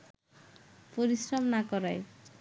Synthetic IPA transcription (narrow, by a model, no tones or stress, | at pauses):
poɾisɾɔmnakɔɾaj